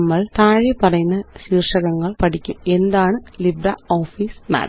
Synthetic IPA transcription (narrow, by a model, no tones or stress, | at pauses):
mːɐɭt̪aːɻipɐɾɐjnɐsiːrʂɐɣɐŋɡɐɭpɐɽɪkʲːɯ̰mɛnd̪aːnɯlɪbɾaoːfiːsma̰ːɾ